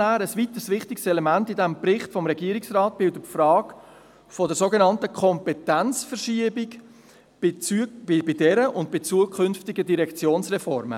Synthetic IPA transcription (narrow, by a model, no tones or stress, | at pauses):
æːɾəsʋit̪əsʋɪχtɪksɛlɛmæntidæmprɪχtfɔmɾɛɡiəɾɪksrɑːt̚b̥ɪldəfrɑːk | fɔdɛsoɡenɑntəkʰɔmpɛtænt͡sfərʃiəbɪk | ɪbɪdɛɾəʔʊndb̥ɪt͡suəkʰʏnftɪɡədiɾɛkt͡sjoːnsrɛfɔɾmə̰